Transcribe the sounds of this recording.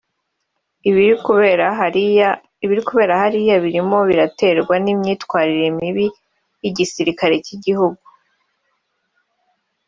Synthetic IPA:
iβiɾikuβe̞ːɾahaɾijaβiɾimo̞βiɾate̞ɾɡwanimɲiːtwaːɾiɾemiβi | jiɟisiɾikaɾe̞ciɟihuɡu

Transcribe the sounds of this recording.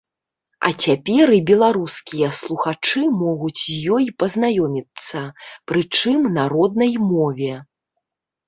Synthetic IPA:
ɐ̰t͡sʲapʲɛɾibʲɛlˠaɾuskʲijɐslˠuxat͡ʂɨmɔɣut͡sʲzʲjɔjpɐznajɔmʲit̪sːɐpɾɨt͡ʂɨmnaɾɔd̪̚nɐjmɔvʲɛ

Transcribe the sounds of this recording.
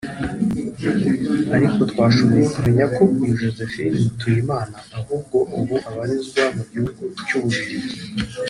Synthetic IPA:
aɾiko̞tkwaːʃumutumeɲako̞ijuʒoze̞finmutujimaːnaːhuːb̚ɡo̞ʔuβuʔaβaɾizɡwamuɟihuɡucuβuβiizi

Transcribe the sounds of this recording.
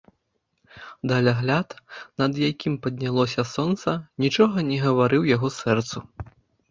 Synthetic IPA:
d̪ɐlʲaɣlʲat̪nɐd̪jakʲimpɐd̪̚ʲnʲalˠɔsʲɐsɔnt̪sɐnʲit͡ʂɔɣɐnʲɛɣɐvaɾɨwjaɣɔsɛrt̪su

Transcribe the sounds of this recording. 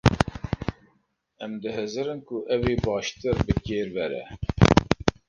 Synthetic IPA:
ɛmd̪ɨɦɨzɨɾɨnkʊʔɛweːbɑːʃt̪ɨɾbɨkeːɾvɛɾɛ̰

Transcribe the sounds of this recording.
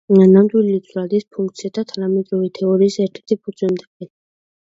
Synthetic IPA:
namd̪wililit̪ʰuɾad̪ispʰuŋk̚t̪sʰijad̪at̪ʰanamɛt̪ʼɾɔvit̪ʰɛɔɾiːsɛɾt̪ʰɛ̥ɾt̪ʰipʰusʼwɛnt̪ʰɛ̥ɛn

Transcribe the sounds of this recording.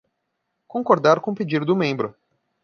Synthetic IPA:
kõŋkoɾd̪aɾkõped͡ʒiɾd̪ʊmẽmbɾʊ

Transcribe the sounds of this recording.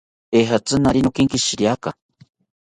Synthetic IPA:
eɦat͡sɨnaɾinokiŋkiʃiɾiaka

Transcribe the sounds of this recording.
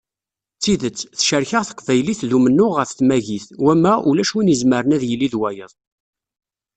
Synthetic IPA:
t͡sːiðət͡sːθʃəɾçəʁθə̥qːvæjliθðumənːʊʁəfθmæʝiθwæmæʔulæʃwinəzməɾənæðjəlːiðwæjəðˤ

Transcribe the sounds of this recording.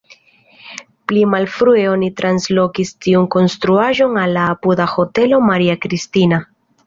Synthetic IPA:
plimalfɾue̞o̞nitɾanslo̞kistiunko̞nst̪ɾuaʒo̞nalːaːpud̪axo̞te̞lo̞maɾiakɾistina

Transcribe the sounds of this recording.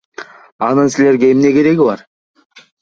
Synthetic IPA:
ɑnəsɪle̞ɾɡʲeɪmne̞kʲʰe̞ɾe̞ɡʲɪbɑ̰ɾ

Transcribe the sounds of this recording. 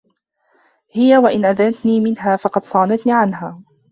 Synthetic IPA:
hɪjawaʔɪnʔaðanat̪niːmɪnɦaːfɑqɑd̪sˤɑːnat̪niːʕanɦaː

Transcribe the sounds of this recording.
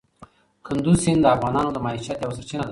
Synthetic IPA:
kʰɨnd̪usind̪əafɣanɑnod̪əmaaʃat̪jawəsəɾt͡ʃinad̪

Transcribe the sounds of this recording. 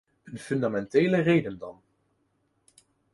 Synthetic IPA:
ənfɵndamɛnteːlərejdəndɑn

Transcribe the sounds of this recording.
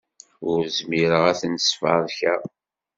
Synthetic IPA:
ʊɾzmiɾəʁæθnsfɑ̰ðˤçæ

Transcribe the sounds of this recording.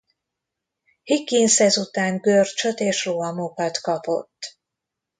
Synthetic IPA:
hikːinsɛzut̪aːŋɡørt͡ʃøt̪eːʃroɒmokɒt̪kɒpo̞̰t̪ː

